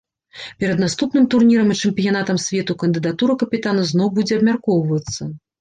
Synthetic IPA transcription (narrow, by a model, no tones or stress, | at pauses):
pʲɛɾɐd̪nast̪upnɨmt̪urnʲiɾɐmit͡ʂɛmpʲijanat̪ɐmsʲvʲɛt̪ukɐnd̪ɨd̪at̪uɾɐkɐpʲit̪anɐznɔwbud͡zʲɛɐbmʲarkɔwvɐt̪sːɐ